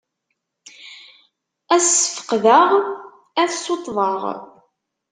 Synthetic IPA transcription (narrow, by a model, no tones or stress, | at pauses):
æsə̥fə̥qðəʁ | æθsot̪ˤːðˤɑʁ